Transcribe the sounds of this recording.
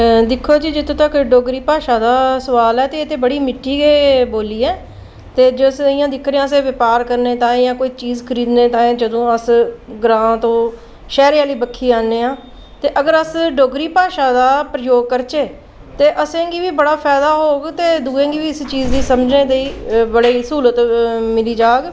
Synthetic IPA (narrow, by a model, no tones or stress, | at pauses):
d̪ɪkʰːoːd͡ʒiːd͡ʒɪt̪õːt̪əkɖoːɡɾiːpaːʃãːd̪aːsəʋaːlɛːt̪eːt̪eːbəɽiːmɪʈʰːiːɡeːboːliːɛː | t̪eːd͡ʒoəsɪjãːd̪ɪkʰɾeːãːəs̬ẽːʋɪpaːɾkəɾneːt̪ãːɪjãːkoːiːt͡ʃiːzkʰəɾiːd̪nẽːt̪ãːd͡ʒəd̪õːəsɡɾãːt̪õː | ʃɛːɾeaːliːbəkʰːiːaːnːeːãː | t̪eːʔəɡəɾəsɖoːɡɾiːpaːʃãːd̪aːpɾəjoːɡ̚kəɾt͡ʃeː | t̪eːʔəsẽːɡiːʋiːbəɽaːpʰɛːd̪aːɦoːɡt̪eːd̪uːẽːɡiːʋiːɪst͡ʃiːzd̪iːsəmd͡ʒnẽːd̪eiːbəɽeːsuːlət̪mɪliːd͡ʒaːɡ